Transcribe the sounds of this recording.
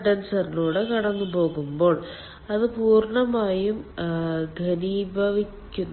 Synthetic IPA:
ɖɐnsɐrinuːɽekɐɽɐnːupo̞ːɣumbo̞ːɭ | ɐðɨpuːrɳɐmaːjum | ɡʱɐniːbʱɐʋikʲːunː

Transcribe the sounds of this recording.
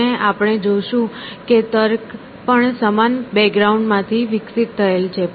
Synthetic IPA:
eapəɽ̃ed͡ʒoʃũket̪əɾk | pəɳsəmanbɛkɡɾauɳɖmãt̪ʰiʋɪksit̪ːʰəelt͡ʃʰe

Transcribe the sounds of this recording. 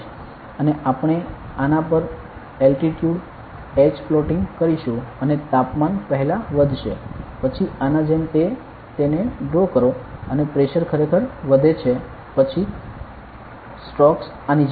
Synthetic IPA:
əneʔapəɳ̃e | anapəɾ | ɛlʈiʈjuɖ | ed͡ʒflɔʈiŋɡkəɾiʃũənet̪apmanpəɦɛlaʋəd̪ʱʃepət͡ʃʰianad͡ʒemt̪e | t̪eneɖokəɾoənepɾeʃəɾkʰəɾekʰəɾʋəd̪ʱet͡ʃʰe | pət͡ʃʰi | sʈɔks | anid͡ʒ

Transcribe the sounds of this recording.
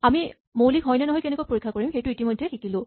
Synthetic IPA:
ami | mowlikɦɔjnɛnɔɦɔjkɛnɛkojpoɹikʰːakoɹimxejtʊitimojdʱːɛtʰikilʊ̃

